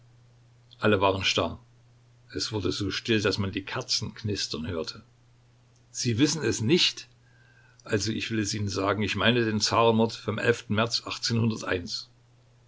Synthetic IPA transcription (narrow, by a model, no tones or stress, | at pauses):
ʔaləvaːʁ̞ənʃtaɐ | ʔɛsv̥ʊɐdəzoːʃtɪldasmandiːkʰaɐt͡sn̩kʰnɪstɐnhøːɐtʰə | z̥iːvɪsn̩ɛsnɪçt | ʔalzoɪçv̥ɪlɛsʔiːnənzaːɡŋ̩ɪçmaɪnədeːnt͡saːʁənmɔɐtfɔmʔɛ̰lftn̩mɛɐt͡sʔaχt͡seːnhʊndɐtʔa̰ɪns